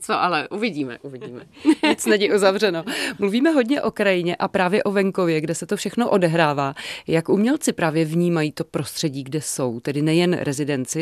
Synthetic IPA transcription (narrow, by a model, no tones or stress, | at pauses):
t͡soʔalɛʔuvɪɟiːmɛ̰ʔuvɪɟiːmɛɪt͡snɛɲɪʔuzavrɛnomluviːmɛɦo̞dɲɛʔo̞kɾajɪɲɛʔapɾaːvjɛʔo̞vɛŋko̞vjɛɡdɛsɛt̪ofʃɛxno̞ʔo̞dɛɦɾaːvaːjakʔumɲɛlt͡sɪpɾaːvjɛvɲiːmajiːt̪o̞pɾo̞st̪r̝̥ɛɟiːɡdɛso̞wt̪ɛdɪnɛjɛnɾʔɛzɪdɛnt͡sɪ